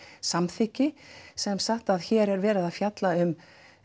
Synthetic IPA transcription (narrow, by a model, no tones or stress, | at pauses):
samθicɪsɛmsaht̪aðçɛːɾɛɾvɛːɾɪðaðfjat̪laʏm